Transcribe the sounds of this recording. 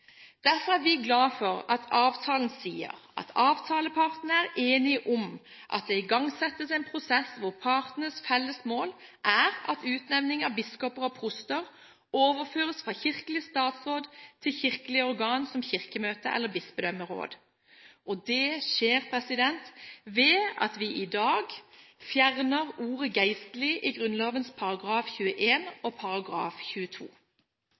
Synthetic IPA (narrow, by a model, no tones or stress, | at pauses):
d̪̥æɾfɔʁæɾʋɪɡlɑːfɔɾɑt̪ʰɑːʋt̪ʰɑːln̩siːə̰ɾʔɑ̰t̪ʰɑːʋt̪ʰɑːləpʰɑʁt̪n̩æʁeːnɪʔʊm | ʔɑ̰t̪̚d̪ɛɪɡɑŋsɛt̪ːəsæɪnpʰɾʊsɛsʋʊʁpʰɑɾt̪nəsfɛlːəsmoːlʔæɾɑ̰t̪ʉːt̪nɛʋnɪŋɑbɪskɔpəɾɔpʰʁʊst̪əʁ | oːʋəɾføːʁəsfʁɑçɪʁkəlɪəst̪ɑːt̪sʁoːd̪t̪ʰɪlçɪʁkəlɪəɔʁɡɑːnsɔmçɪʁkəmøːt̪ə̰ʔɛ̰lːəbɪsbəd̪œməʁo̰ːd̪ | ʔɔd̪ɛʃeːʁpʰʁɛsɪd̪ɛnt̪ʋɛːɑ̰t̪ʋɪʔɪd̪ɑːɡfjæʁnəʁuːʁəɡæɪst̪lɪʔɪɡʁʉnloːʋənspʰɑʁɑɡʁɑːfçʉːəʔeːnɔpʰɑʁɑɡʁɑ̰ːfçʉːət̪ʰṵː